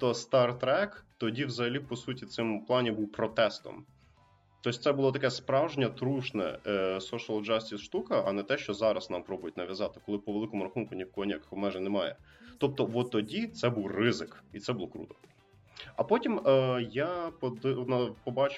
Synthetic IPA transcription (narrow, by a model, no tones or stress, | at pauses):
t̪ɔst̪ɑrt̪ɾɛkt̪ɔdʲiwzɐɦɐlʲipɔsutʲit̪sɪmplˠɑnʲibuwpɾɔt̪ɛst̪ɔ̰m | t̪ɔsʲt̪sɛbʊlˠɔt̪ɐkɛspɾɑwʒnʲɐt̪ɾuʃnɛ̰sɔʃɨɐlˠd͡ʒɑsʲtʲisʃt̪ukɐʔɐ̰nɛt̪ɛʃt͡ʃɔzɑɾɐsnɑmpɾɔbʊjʊtʲnɐʋjɐzɑt̪ɪ̥kɔlˠɪpɔʋelˠɪkɔmʊɾɐxunkʊnʲikɔnʲakxmɛʒɛnɛmɑjɛ̰ | t̪ɔp̚t̪ɔʋɔt̪ɔdʲit̪sɛbuwrɪzɪkit̪sɛbʊlˠɔkɾṵt̪ɔ̥ | ɐpɔtʲiməjapɔd̪nɐpɔbɑt͡ʃ